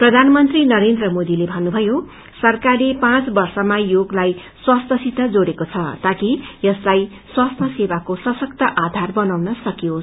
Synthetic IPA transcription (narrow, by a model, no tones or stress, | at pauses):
prʌd̪ʱanʌmʌnt̪rinʌɾend̪rʌmod̪ilebʱʌnːubʱʌjo | sʌrkarlepãt͡sbʌrsʌmajoɡlaj | swast̪ʰʌsit̪ʌd͡zoɽekot͡sʰʌt̪akijʌslaj | swast̪ʰʌsewakosʌsʌkt̪ʌʔad̪ʱarbʌnawnʌsʌkijo